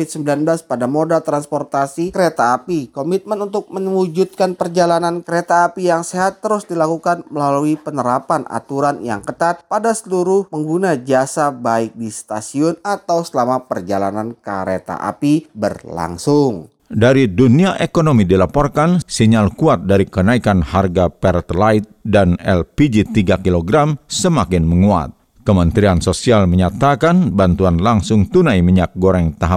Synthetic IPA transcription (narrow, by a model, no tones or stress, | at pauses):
ɪt̪̚səmbilanblaspadamodalt̪ɾanspɔrt̪asikəɾet̪aːpikomit̪̚mənunt̪ʊk̚məwud͡ʒut̪̚kanpərd͡ʒalanankəɾet̪aːpijaŋseɦat̪ːəɾʊsdilakukanməlaluipənəɾapanʔa̰t̪uɾanja̰ŋkət̪at̪̚padasəluɾʊhməŋɡunad͡ʒasabaɪk̚dist̪asiʊnat̪awsəlamapərd͡ʒala̰nanka̰ɾḛt̪a̰ʔa̰pibərla̰ŋsʊŋ | daɾiduniaʔekonomidilapɔrkansiɲalkuat̪̚daɾikənaikanharɡapɛrt̪lait̪̚danɛ̰lpid͡ʒit̪iɡakiloɡɾamsəmakɪnməŋua̰t̪̚ | kəmənt̪ɾiansosialməɲat̪akanbant̪uanlaŋsʊŋt̪unajmiɲak̚ɡoɾɛŋt̪aɦa